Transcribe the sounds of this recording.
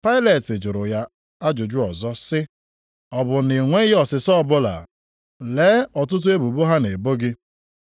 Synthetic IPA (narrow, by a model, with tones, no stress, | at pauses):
pa˦ɪ˦le˨tɪ˨d͡ʒʊ˨ɾʊ˨ja˦ | a˦d͡ʒʊ˨d͡ʒʊ˦ɔ˨zɔ˦sɪ˦ | ɔ˨bʊ˨nɪ˨ŋʷe˦i˦ɦe˦ɔ˨sɪ˨sɔ˦ɔ˦bʊ˦la̰˨ | leː˨˦ɔ˨tʊ˦t̬ʊ˦e˦bu˨bo˦ɦa˦ne˨bo˦ɡɪ˦